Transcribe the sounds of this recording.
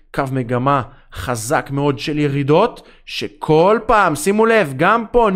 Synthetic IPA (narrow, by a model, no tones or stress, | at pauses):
kavme̞ɡama | χazakmeo̞d̪ʃeljeʁid̪o̞t̪ | ʃekʰo̞lpaːmsimule̞vɡampo̞